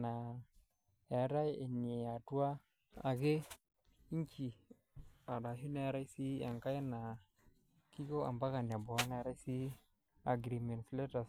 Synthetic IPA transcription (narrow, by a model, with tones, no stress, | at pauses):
na˨ | a˨ɾa˦je˨ne˨a˨tu˦wa˦ | a̰˨ɡe˦ | i˦t͡ʃi˨ | a˨ɗa˨ɦi˦na˦ɾa˦i˦si˦a˨ŋka˦ja˦na˨ | ki˦ɡo˦a̰˨mba˦ka˨n˨a˨bo˨a˦na˦ɾa˦jsi˦ | a˨ɡɾi˨me˨nfle˦ta˨s